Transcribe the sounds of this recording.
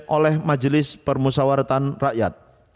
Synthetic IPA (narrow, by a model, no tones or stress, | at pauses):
ʔolɛhmad͡ʒlɪspərmusawaɾt̪anraʔjat̪̚